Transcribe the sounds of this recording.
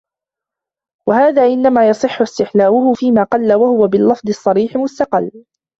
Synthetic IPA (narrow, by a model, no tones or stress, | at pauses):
wahaːðaːʔɪnːamaːjɑsˤɨħːʊst̪ɪħlaːʔʊhʊfiːmaːqɑlːawahʊwabɪlːɑfd̪ˤɨsˤːɑɾiːħɪmʊst̪ɑqɑlː